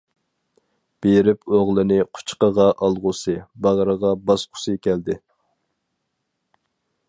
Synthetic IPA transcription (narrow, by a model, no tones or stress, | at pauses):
b̥eɾɪpoʁlˠɨnɪqʰʊ̥t͡ʃqəʁɑʔɑlˠʁʊsɨbɑʁɾəʁɑbɑsqʰʊ̥sɨkʲɛld̪ɪ